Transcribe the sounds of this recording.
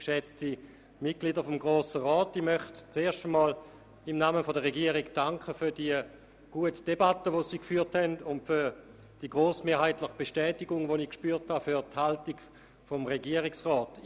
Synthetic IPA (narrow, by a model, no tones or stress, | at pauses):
kʃɛt͡sti | mɪt̚ɡ̥liːdɐfɔmɡʁoːsəʁɔːtimœχtt͡seːɐʃtəmɔːl | ɪmnaːməfodəʁeɡiəʁikd̥aŋkʰəfyɐdiə | ɡ̥uətd̥ebatəʋosiːkfyːɐthɛndʊntfyɐ | d̥iəɡʁoːsmeːɐɦhaɪtləχəb̥eʃtɛːtɪɡʊŋvonikʃpyːɐthafyɐthaltiɡ | fomʁeɡiəʁɪksʁɔːt